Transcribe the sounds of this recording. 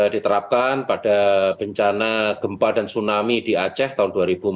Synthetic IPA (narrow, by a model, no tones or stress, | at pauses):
dit̪əɾap̚kanpadab̥əɲt͡ʃanaɡ̥əmpadansunamidiat͡ʃɛht̪aɦʊnduaɾib̥u